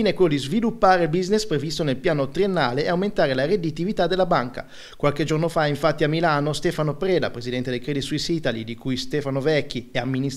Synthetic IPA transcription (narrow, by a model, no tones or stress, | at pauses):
iːnekolod̪izvilupːaːɾelbiznespɾevist̪onelpjaːnot̪ɾienːaːleːawment̪aːɾelaɾed̪it̪ivit̪ad̪elabaŋka̰ | kwalked͡ʒornofaiɱfat̪ːiamːilaːnost̪ɛfanopɾɛːd̪a̰pɾezid̪ɛnt̪ed̪ejkɾed̪it̪suisit̪alid̪ikujst̪ɛfanovɛkːiɛamːini